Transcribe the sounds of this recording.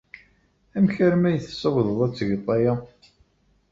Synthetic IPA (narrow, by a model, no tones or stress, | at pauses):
æmçəɾmæjəθəsəwðˤəðˤæt͡sːʝt̪ˤːɑja